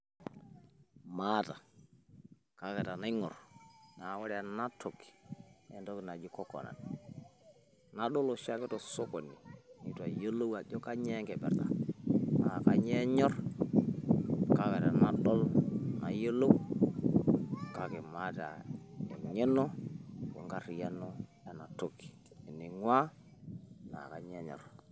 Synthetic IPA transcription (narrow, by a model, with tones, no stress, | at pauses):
ma˦ta˨ | ka˨˦kɛ˨ta˨na˦i˦ŋɔ˨rna˨˦wa˦ɾɛ˦a˨na˦to˨ki̥˨ɛ˦ntɔ˦kna˨d͡ʒi˦kɔ˦kɔ̰˨na̰˨n | na˦ɗɔ˦lo˨ʃa˦kɛ˦tɔ˨so˦kɔ˨ni˨ni˨twa˨je˦lo˦wa˨d͡ʒɔ˦ka˦ɲɛ˦ŋkɛ˨bɛ̰˨ɾta̰˨na˨ka˦ɲe˦ɲɔ˦r | ka˦ka˨ta˨na˦ɗɔ˦lna̰˨je˦lo˦w | ka˦ke˨ma˦ta̰˨e˨ɲe˦nɔ˦wo̰˨ŋɡa˦ɾi˨ja˦no˦ | a˨na˨to˦ki̥˨ | e˨ni˨ŋwa˦ | na̰˨ka˨ɲe˦ɲɔ̰˨r